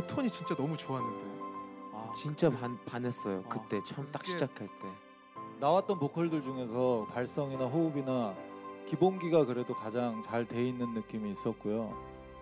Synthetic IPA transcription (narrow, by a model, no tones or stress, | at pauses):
otʰoɲit͡ɕint͡ɕ͈anʌmut͡ɕoaɦanːɯnde | t͡ɕint͡ɕ͈apanpanes͈ʌjokɯt͈e̞t͡ɕʰʌɯmt͈ak̚ɕʰid͡ʑakʰaɭt͈e̞ | nawat̚t͈ʌnpokʰʌɭdɯɭd͡ʑuŋe̞sʰʌpaɭs͈ʌŋinaɸoubinakibonɡiɡakɯɾe̞dokad͡ʑaŋt͡ɕaɭte̞inːɯnːɯk͈imiːs͈ʌt̚k͈ojo